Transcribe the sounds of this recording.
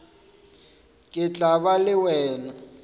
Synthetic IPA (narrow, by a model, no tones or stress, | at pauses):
kʼɪt͡ɬʼaβalɪwɛːna